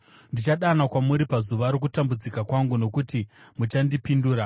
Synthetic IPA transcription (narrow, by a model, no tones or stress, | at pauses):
ndit͡ʃaɗanakwamuɾipazuʋaɾok̬utambud͡zikakwaŋɡuno̞kutimut͡ʃandipinduːɾa